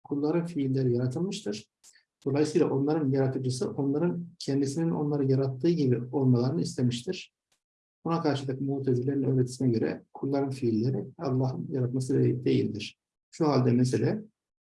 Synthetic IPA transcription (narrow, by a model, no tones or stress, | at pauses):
kʰulˠːaɾɯnfiːlʲːeɾijaɾat̪ʰɯlˠmɯʃt̪ʰɯɾ̥ | d̪̥oajɯsɯjlˠaʔo̞nlˠaɾɯnjaɾat̪ʰɯd͡ʒɯsɯʔo̞nlˠaɾɯncʰɛnd̪isinino̞̰nlˠaɾɯjaɾat̪ʰːɯːɟibio̞lˠmalˠaɾɯnɯist̪ʰemiʃt̪ʰiɾ̥ | bunakʰaɾʃɯd̪ɯkmut̪ʰezilʲe̞ɾinø̞ːɾet̪ʰi̥sinɛɟø̞ɾɛ̰kʰulˠːaɾɯnfiːlʲːeɾialˠːaːɦɯnjaɾat̪mas̬ɯd̪d̪e̞jḭlʲd̪iɾ̥ | ʃuɦalʲd̪ɛmes̬elʲɛ